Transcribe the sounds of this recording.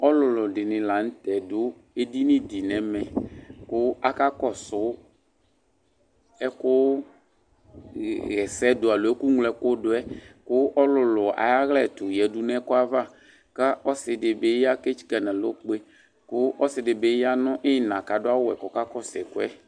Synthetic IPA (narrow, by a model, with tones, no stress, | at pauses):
ɔ˦lʊ˨lʊ˨dɪ˨nɪ̃˨la˨n̩˦tɛ˨dʊ˦ | e˦di˦nɪ̃˦di˨nɛ̃˨mɛ̃˨kʊ˦a˦ka˦kɔ˨sʊ˨˦ | ɛ˦kʊ˦ | ɣɛ˨sɛ˦dʊ˨a˨lʊ˨ɛ˦ku˦ŋlɛ˨˦kʊ˦dʊ˦ɛ˦kʊ˦ʔɔ˦lʊ˨lʊ˨a̰˨ja˦ɣlɛ˦˨tʊ˨jɛ˨dʊ˦nɛ˦kʊ˦a˦va˦˨ | ka˦ʔɔ˦sɪ˨dɪ˨be˦ja˦ke˦t͡ʃi̥˦ka˨nɛ̃˨lʊ˦k͡pe˦ | kʊ˦ʔɔ˦sɪ˨dɪ˨be˨˦ja˦nʊ̃˦ʔɪ˦˨nã˨ka˨dʊ˦a˦wʊ˦˨ɛ̰˨kɔ˨ka˦kɔ˦sɛ˨kʊ˦ɛ˦